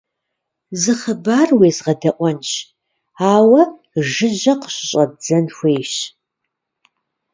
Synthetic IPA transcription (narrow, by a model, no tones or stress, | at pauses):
zɨχəbaːrweːzʁɐdɐʔʷʼɔnʃ | aːwɐ | ʒɨʑɐqə̥ɕʼɕʼɐd͡zɐnxʷeːʃ